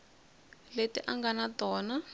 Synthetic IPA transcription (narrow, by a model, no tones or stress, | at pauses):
letiʔaŋɡanatɔːna